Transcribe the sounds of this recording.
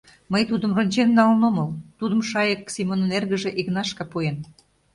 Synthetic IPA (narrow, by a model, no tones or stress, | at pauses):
məjt̪ud̪əmrŏnʲt͡ɕenːɑlnoməlt̪ud̪ə̆mʃɑjəksimonnerɣəʒĕʔiknɑʃkɑpojen